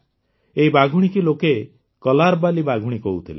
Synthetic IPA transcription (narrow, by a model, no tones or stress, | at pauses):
eibaɡʱuɽ̃ikiloke | kɔlaɾbalibaɡʱuɽ̃ikɔɦut̪ʰile